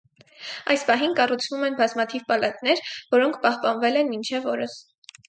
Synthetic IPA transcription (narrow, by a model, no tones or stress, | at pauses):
ɑjspɑɦinkɑrut͡sʰvumɛnbɑzmɑt̪ʰivpɑlɑt̪nɛɾvɔɾɔŋkʰpɑhpɑnvɛlɛnmint͡ʃʰɛvɔɾəs